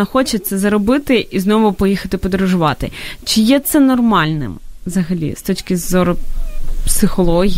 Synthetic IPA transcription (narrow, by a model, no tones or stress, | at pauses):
ɐxɔt͡ʃet̪sɛzɐɾɔbɪt̪ɪʔiznɔʋʊpɔjixɐt̪ɪpɔd̪ɾʊʒʊʋɑt̪ɪ̰t͡ʃɪjɛt̪sɛnɔrmɑlʲnɪ̰mʋzɐɦɐlʲḭst̪ɔt͡ʃkɪzɔɾʊpsɪxɔlˠɔɦʲi